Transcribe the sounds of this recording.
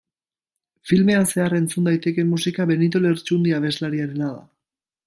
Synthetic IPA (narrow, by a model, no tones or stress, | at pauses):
filme̞ase̞are̞nt͡sund̪ajt̪e̞ke̞mːusikaβe̞nit̪̬oleɾt͡ʃund̪iaβ̞e̞zlaɾiaɾenaða̰